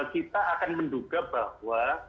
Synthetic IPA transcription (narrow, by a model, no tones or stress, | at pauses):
lkit̪aːkanmənduɡabahwa